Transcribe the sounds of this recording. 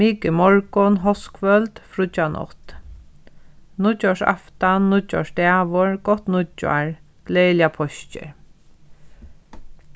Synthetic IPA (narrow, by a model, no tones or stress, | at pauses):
miːkɪmɔɹkɔnɦɔskfœlt̪fɾʊt͡ʃːanʔɔ̰t̪ | nʊt͡ʃːɔʂa̰ft̪annːʊt͡ʃːɔ̰ʂd̪æːʋʊɹɡ̥ɔht̪nʊt͡ʃːa̰ɹ | ɡ̥lɛːljapʰɔʃt͡ʃɪ̰ɹ